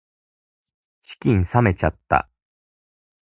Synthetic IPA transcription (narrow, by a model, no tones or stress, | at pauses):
ɕi̥kʲĩɰ̃same̞t͡ɕat̪ːa̰